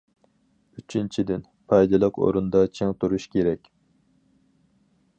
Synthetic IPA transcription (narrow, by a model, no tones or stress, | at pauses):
yt͡ʃʰynt͡ʃʰid̪ɪn | pʰɑjd̪ɨlˠəqo̰ɾund̪ɑt͡ʃʰeŋt̪ʰuɾuʃkʲʰeɾɛkʲ